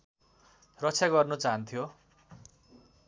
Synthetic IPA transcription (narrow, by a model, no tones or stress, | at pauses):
rʌt͡sʰjaɡʌrnot͡saɦʌnt̪ʰijo